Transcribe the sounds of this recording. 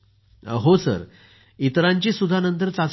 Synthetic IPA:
ɦosə̰ɾ | it̪ɾãɲt͡ɕiːsud̪ʱanənt̪əɾt͡sat͡s

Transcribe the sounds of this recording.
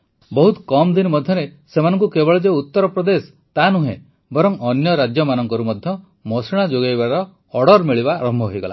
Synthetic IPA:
bɔɦut̪kɔmd̪inɔmɔd̪ʱjɔnesemanɔŋkukebɔɭɔd͡ʒeut̪ːɔɾɔpɾɔd̪es | t̪anuɦḛ̃ | bɔɾɔŋɔnjɔɾad͡ʒjɔmanɔŋkɔɾumɔd̪ʱjɔ | mɔsiɭ̃ad͡ʒoɡajbaɾɔː | ɽɔɾmiɭibaɾɔmbʱɔɦojɡɔ̰la̰

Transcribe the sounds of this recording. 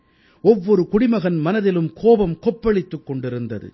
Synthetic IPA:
ɔʋːɔɾɯkʊɽɪmɐɣɐnmɐnɐðɪlɯmkʰoːbɐmkɔpːɐɭɪt̪ːɯkːɔɳɖɪɾɯnd̪ɐ̰ðɯ̰

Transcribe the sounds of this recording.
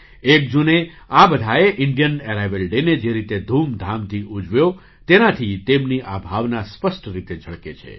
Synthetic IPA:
ek̚d͡ʒune | abəd̪ʱaeʔɪɳɖijəneɾajʋelɖened͡ʒeɾit̪ed̪ʱumd̪ʱamt̪ʰiʔud͡ʒʋjo | t̪enat̪ʰit̪emniʔabʱaʋnaspəsʈɾit̪ed͡ʒʱəɭket͡ʃʰḛ

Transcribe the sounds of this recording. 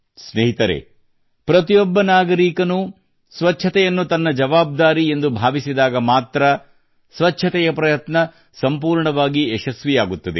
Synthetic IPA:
sneɦit̪ɐɾḛ | pɾɐt̪ijɔbːɐnaːɡɐɾiːkɐnu | sʋɐt͡ʃːʰɐt̪ɛjɐnːut̪ɐnːɐd͡ʒɐʋaːb̚d̪aːɾie̞nd̪ubʱaːʋisid̪aːɡɐmaːt̪ɾɐ | sʋɐt͡ʃːʃʰɐt̪ɛjɐpɾɐjɐt̪nɐ | sɐmpuːɾɳɐʋaːɡiɛʃɐsʋijaːɡut̪ːɐd̪ḛ

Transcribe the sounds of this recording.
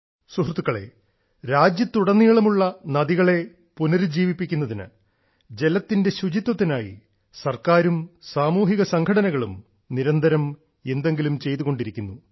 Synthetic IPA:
suɦrt̪ːukːɐɭe̞̰ | ɾaːd͡ʑjɐt̪ːuɽɐnːiɣɐɭumuɭːɐnɐðiɣɐɭe̞ | punɐɾɨd͡ʑiːʋipːikʲːunːɐðinɨ̰ | d͡ʑe̞lɐt̪ːinde̞ɕud͡ʑit̪wɐt̪ːinaːjḭ | sɐrkaːɾumsaːmuːɦiɣɐsɐŋkʰɐɽɐnɐɣɐɭum | niɾɐnd̪ʱɐɾɐm | e̞nd̪e̞ŋɡilumt͡ɕe̞jt̪uɣo̞ɳɖiɾikʲːunːu

